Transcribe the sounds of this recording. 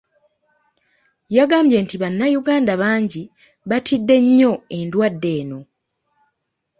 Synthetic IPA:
jaɡaːmbje̞ntiβanːajuɡaːndaβaːɲɟi | βatʰidːe̞ɲːo̞e̞ndwadːe̞ːno̞

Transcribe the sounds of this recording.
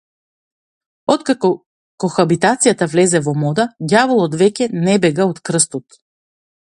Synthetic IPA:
ɔt̪kakɔ | kɔxabit̪at̪sijat̪avlɛzɛvɔmɔd̪aɟavɔlˠɔd̪vɛcʲɛnɛbɛɡaot̪kɾ̩st̪ɔt̪

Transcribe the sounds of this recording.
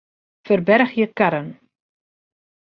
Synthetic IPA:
fərbɛrxjəkaɾən

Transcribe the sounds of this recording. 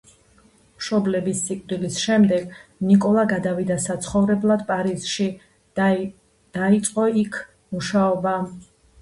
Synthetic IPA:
mʃɔblɛbisːikʼd̪ilisʃɛmd̪ɛɡnikʼɔlˠaɡad̪avid̪asat̪sʰχɔvɾɛblˠad̪pʼaɾiz̥ʃi | d̪̥ait̪sʼqʼɔikʰ | muʃaɔba

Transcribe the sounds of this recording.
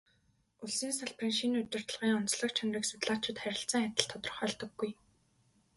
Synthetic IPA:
uɮsiːnsaɮprĭːŋʃinɵt͡ɕ̪ɪ̆r̥t̪ə̆ɮʁiːŋɔnt͡sɮɞ̆k̚t͡ɕʰaŋriːksʊt̪ɮaːt͡ɕɪ̆t̪χæɾʲɪ̆ɬt͡s̆ːŋat̪ʲə̆ɬt̪ʰːɔt̪̆rə̆χœːɮt̪ɞ̆ɡːuj

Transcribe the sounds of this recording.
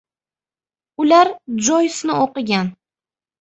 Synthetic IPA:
ʊlaɾd͡ʒojsnɪoqɨɡʲan

